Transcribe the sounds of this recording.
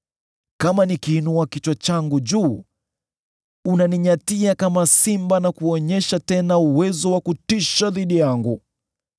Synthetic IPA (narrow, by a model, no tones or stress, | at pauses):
kamanikiːnuakit͡ʃwat͡ʃaŋɡuʄuː | unaniɲatiakamasimbanakuɔɲɛʃatɛnauwɛzɔwakutiʃaðiɗijaŋɡu